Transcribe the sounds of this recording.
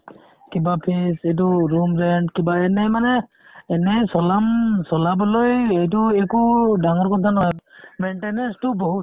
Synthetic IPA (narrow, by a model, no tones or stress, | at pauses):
kibapʰisejt̬ʊɹumɹɛndkibaɛnɛjmanɛː | nɛjsɔlamsɔlabɔlojejtʊɛkudaŋɔɹkɔtʰanɔɔjmɛnʈenɛnstʊboɦu